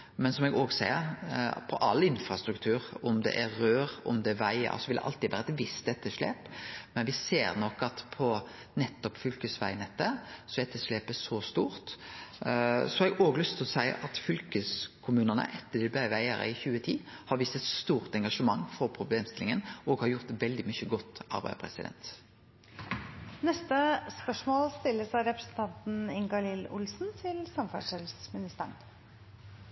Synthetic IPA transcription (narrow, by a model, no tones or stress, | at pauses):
mɛnsɔmɛɡoːɡsæɪəɾpʰɔʔɑlːɪnfɾɑst̪ɾʉkt̪ʰʉːɾɔmd̪ɛ̰ʔæːøːɾɔ̰md̪ɛʋæɪə̰sɔʋɪld̪ɛʔɑ̰lt̪ɪʋæ̰ːɾəɛt̪ʋɪst̪ɛt̪ːəʂɭḛːpmɛnʋɪseːɾnɔkːɑt̪pʰɔ | nɛt̪ːɔpfʏlkəsʋæ̰ɪnɛt̪ːəsɔɛt̪ːəʂɭeːpəʂɔst̪uːɾt̪ | sɔhɑɾɛɡoːɡəlʏst̪ʰɪlɔsæɪʔɑt̪fʏlkəskʰʊmʉːnənə̰ʔɛt̪ːəd̪ɪbæɪʋæɪəʁə̰ɪçʉːət̪ʰiːhɑɾʋiːst̪ət̪st̪uːʁt̪ɛŋɡɑʂəmɑŋːfɔɾpʰʁʊbleːmst̪ɪlɪŋənʔɔːɡhɑɾjʊʁt̪ʋɛld̪ɪmʏçəɡɔt̪ːɑ̰ɾbæɪpʰʁɛ̰sɪ̰d̪ɛ̰nt̪ | nɛst̪əspœʂmoːlst̪ɪlːəsɑɪɾɛpɾə̥snt̪ʰɑnt̪n̩ɪŋɡɑlɪlʊ̰lsn̩t̪ʰɪlsɑmfɑʂɛlsmɪnɪst̪əɳ